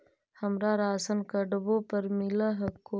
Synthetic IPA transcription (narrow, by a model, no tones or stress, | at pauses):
hɐmɾaːɾaːsənkəɖbõpəɾmɪlaɦɐkːo